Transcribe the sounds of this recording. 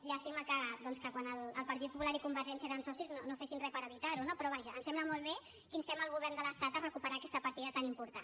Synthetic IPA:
ʒaːst̪iməkəd̪ɔnskəkwanəlːlˠpəɾt̪it̪pupulaɾikumbəɾʒɛnsieɾənsɔsiznonofesinrɛpəɾəβ̞it̪aɾunopɾɔβ̞aʒəːnsɛmbləmolˠβe | kinst̪ɛməlˠɣuβɛrnd̪ələst̪at̪ərəkupəɾaːkɛst̪əpəɾt̪iðət̪animpuɾt̪an

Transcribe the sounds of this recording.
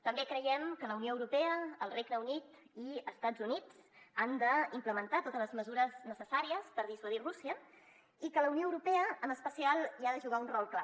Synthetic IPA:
t̪əmbekɾəjɛmkələunioəwɾupɛəːlˠreɡnəunit̪ | iəst̪ad͡zunid͡zand̪əimpləmənt̪at̪ot̪ələzməzuɾəznəsəsaɾiəspəɾðiswəðirusiə | ikələunioəwɾupɛəəməspəsialˠiaðəʒuɣaunrɔlˠkla

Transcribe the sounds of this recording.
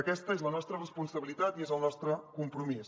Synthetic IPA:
əkɛst̪əezlənɔst̪ɾərəspunsəβilit̪at̪iezəlˠnɔst̪ɾəkumpɾumis

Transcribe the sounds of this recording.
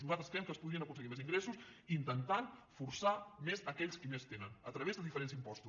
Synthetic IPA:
uzat̪ɾəskɾɛmkəːspuðɾiənəkunsəɣimeziŋɡɾesusiːnt̪ənt̪anfuɾsamezəkɛʎskimest̪enənət̪ɾəβezðəðifəɾensimpɔst̪u

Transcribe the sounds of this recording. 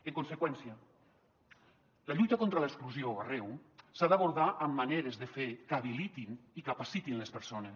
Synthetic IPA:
eŋkonsekwɛnsiə | laʎujt̪akont̪ɾəlekskluzioarɛwsaðaβuɾðaʔəmːaneɾezðefekaβilit̪inikapasit̪inlespeɾsones

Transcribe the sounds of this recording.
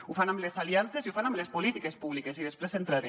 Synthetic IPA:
ufanamlesalianseziufanamlespolit̪ikespuβlikesiðespɾesent̪ɾaɾe

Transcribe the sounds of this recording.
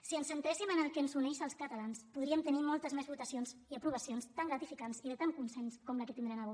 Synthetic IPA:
siənsənt̪ɾesimənəlˠkənzunɛʃəlˠskət̪əlanspuðɾiəmt̪ənimɔlˠt̪əzmezβut̪əsionziəpɾuβəsionst̪aŋɡɾət̪ifikanziðət̪aŋkunsɛnskɔmləkət̪ind̪ɾenəβo

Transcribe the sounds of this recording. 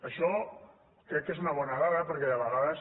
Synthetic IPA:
əʃɔ | kɾɛkːezunɐβ̞ɔnaɣaɾɐpəɾkɛəβəɣaðəs

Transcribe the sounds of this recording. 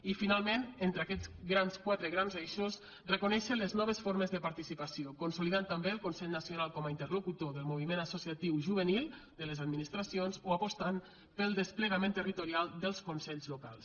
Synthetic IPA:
ifinalˠmenent̪ɾakɛt͡sɣɾanskwat̪ɾəɣɾamzejʃos | rəkunɛʃələznɔβ̞əsfoɾməzðəpaɾt̪isipasiokunsuliðant̪ambeəlˠkunsɛʎnəsiunalˠkɔməint̪ərlukut̪oðəlˠmuβ̞imenəsusiat̪iwʒuβ̞ənilˠd̪ələzad̪minist̪ɾasionzoapost̪an | pəlˠd̪əspləɣamẽnt̪ərit̪uɾialˠd̪əlˠskunsɛʎzlukalˠs

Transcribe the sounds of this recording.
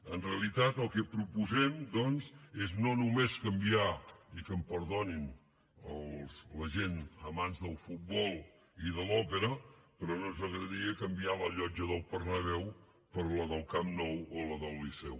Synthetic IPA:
ənreəlit̪at̪əlˠkɛpɾupuzɛmd̪ɔnzeznonumeskəmbiaikəmpəɾðonin | əlˠsləʒenəmanzðəlˠfut̪̚bɔlˠ | iðəlɔpəɾəpɾɔnonzəɣɾəðiəkəmbialəʎɔd͡ʒəðəlˠpərnəβ̞ɛw | pəɾləðəlˠkamnɔwoləðəlˠːisɛ̰w

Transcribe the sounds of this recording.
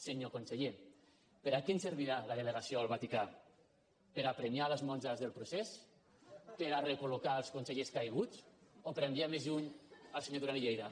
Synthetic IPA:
seɲokonseʎe | peɾakenseɾβiɾalaðeleɣasijoalˠβat̪ika | peɾapɾemialəzmɔnzazðelˠpɾuses | peɾarekulukaelˠskunseʎeskajɣ̞ut͡sopeɾembiamezuɲalˠseɲoðuɾaniʎejða

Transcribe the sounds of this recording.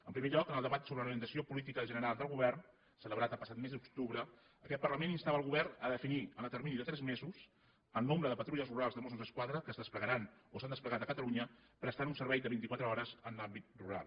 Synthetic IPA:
əmpɾimeʎɔkənəlˠd̪əβat̪soβɾəluimənt̪əsiopulit̪ikəʒənəɾalˠd̪əlˠɣuβɛrn | sələβɾat̪əlˠpəsat̪̚mezd̪ukt̪uβɾə | əkɛt̪̚pərləmeninst̪aβəlˠɣuβɛrnəðəfiniənət̪əɾminiðət̪ɾɛzmezus | əlnombɾəðəpət̪ɾuʎəzruɾalˠzðəmosunzəskwaðɾəkəzðəspləɣəɾanosand̪əspləɣat̪əkət̪əluɲəpɾəst̪anunsəɾβɛjd̪əβint̪ikwat̪ɾəɔɾəzənlambit̪̚ruɾa̰lˠ

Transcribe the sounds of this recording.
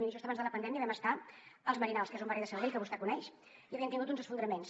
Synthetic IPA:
miʒust̪əβanzðələpənd̪ɛmiəβɛməst̪aəlzməɾinalˠskezumbaɾiðəsəɾβeʎkəβust̪ɛkunɛʃ | iəβiənt̪iŋɡut̪̬unzəsfund̪ɾəmens

